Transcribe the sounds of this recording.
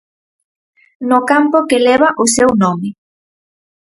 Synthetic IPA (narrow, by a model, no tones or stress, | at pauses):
nʊkampokelɛβ̞aʔʊsewnɔmɪ